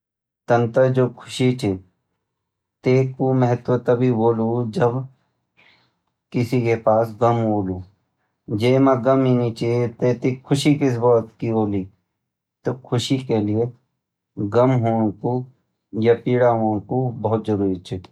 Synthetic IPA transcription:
t̪ɐ̃nt̪əd͡ʒoːkʰʊ̥ʃit͡ʃʰe | t̪eːkomɛɦət̪wət̪ɐbʱiboːlud͡ʒɐb | kɪsikepaːsɡəmɦoːlu | d͡ʒeːmãɡəminit͡ʃʰit̪eːt̪ikʰʊʃikɪs̬bɔːt̪kiboːli | t̪okʰʊʃikelie | ɡəmɦoːnku | japiːɽaɦoːnkubɐɦʊt̪d͡ʒɐɾuːɾit͡ʃʰɛ

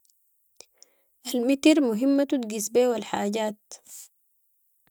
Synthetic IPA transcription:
ʔalmit̪iɾmuɦimːat̪ut̪ɡisbeːwalħaːɟaːt̪

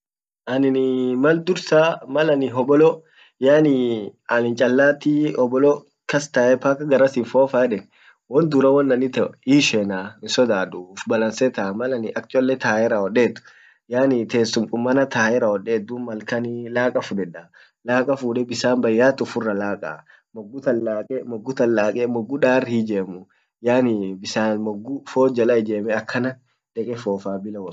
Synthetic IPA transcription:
ʔɐnɪnɪmɐld̪ʊɾsaːmɐlɐnɪɦɔbɔlɔ | jaːnɪɐlɪnt͡ʃʼɐlːaːt̪iɔbɔlɔ | kɐst̪ɐʔɛpaːkɐɡɐɾɐsɪnfoːfaːɛᶑɛn | wɔnd̪ʊɾɐwɐnːɐnɪt̪ɛiːʃɛːnaːnɪsɔd̪aːd̪uːfbɐlɐnsɛt̪ɐmɐlɐnɪʔɐk̚t͡ʃʼɔlːɛt̪aːjɛɾaɔᶑeːt̪ːʊ̥ | jaːnɪt̪eːsːʊmkʼʊmːɐnɐt̪aːɛɾaɔᶑeːd̪umɐlkɐnɪlaːkʼɐfʊᶑɛᶑa | laːkʼɐfuːᶑɛbɪsaːmbɐjːaːt̪ʊfʊrːɐlaːkʼɐ̰ | mɔɡːʊt̪ɐlːaːkʼɛmɔɡːʊt̪ɐlːaːkʼɛmɔɡːʊᶑaːrhid͡ʒeːmʊ | jaːnɪbɪsaːnmɔɡːʊfoːd͡ʒɐlɐɪd͡ʒeːmɛɐkʰːɐnɐ | d̪̥ɛkʼɛfoːfaːbɪlɐwɔ

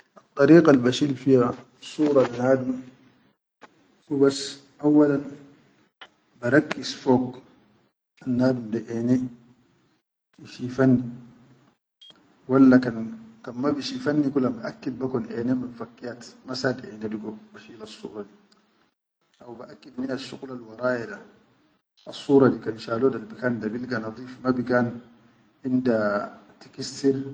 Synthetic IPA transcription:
ʔɑt̪ˤːɑɾiːqalbaʃilfija | sˤuːɾˤɑlanaːdum | ubas | ʔawːalan | baɾˤɑkːisfoːk | ʔanːaːdumdaʔene | iʃifanːi | walːakankamːabiʃifanːikulambaʔakːid̚bakɔnʔɛːnemabfakːijat̪masadʔḛːnediɡobaʃilasːṵːɾˤɑdi | ʔawbaʔakːidminaʃːuqlalwɑɾˤaːjada | asːuːɾˤɑdikainʃaːlodalbikandabilɡanɑd̪ˤiːfmabikaːn | ʔindatikisiɾ

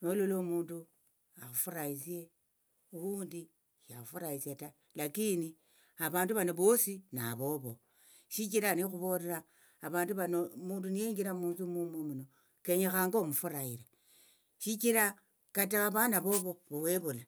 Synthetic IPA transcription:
nolulomuːndu | axufuɾaisie | uwuːndi | ʃaxufuɾaisiata | lakini | aβaːnduβanoβosinaβo̞βo̞ | ʃik̬iɾanixuβo̞ɾeɾaː | βaːnduβanomuːndunijeːŋɡiɾamuːnzumumumuno | ke̞ɲexaːŋɡomufuɾaiɾe | ʃikiɾa | kataaβanaβo̞βo̞βoweβula

